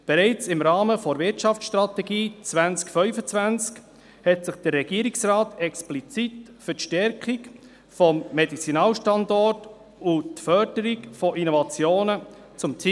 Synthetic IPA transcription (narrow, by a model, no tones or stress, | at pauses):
b̥ɛɾɛɪt͡sɪmɾɑːməfɔɾvɪtʃɑft͡sʃtrɑt̪ɛɡiːt͡svænt͡skfœʏfət͡svænt͡sk | hɛtsɪχd̥ərːɛɡiəɾiksʁrɑːtɛksplit͡sitfətʃtɛɾkik | fɔmːedit͡sinɑːlʃtɑndɔrt | ʊtfœɾd̥əɾikfɔʔinovɑt͡sjoːnə | t͡sʊmt͡si